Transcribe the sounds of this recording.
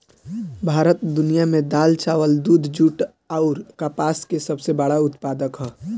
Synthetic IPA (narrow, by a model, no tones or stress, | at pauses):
bʱaːɾət̪d̪ʊnijamẽd̪aːlt͡ʃaːʋəld̪uːd̪ʱd͡ʒuːʈ | aʊɾkapaːskesəbsebəɽaʊt̪paːd̪əkɦɛː